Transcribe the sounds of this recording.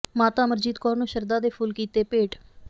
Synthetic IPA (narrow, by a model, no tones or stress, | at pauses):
maːt̪aːməɾd͡ʒiːd̪kɔːɾnũːʃəɾd̪aːd̪eːpʰuːlkiːt̪eːpeːʈ